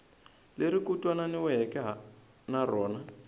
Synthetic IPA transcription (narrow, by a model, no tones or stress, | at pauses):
leɾikʼutʼwananɪwɛɦɛkʼɛɦa | narɔːna